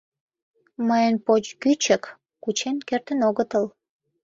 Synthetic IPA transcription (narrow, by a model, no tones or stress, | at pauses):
məjənpot͡ɕkyt͡ɕək | kut͡ɕenkert̪ənoɣət̪əl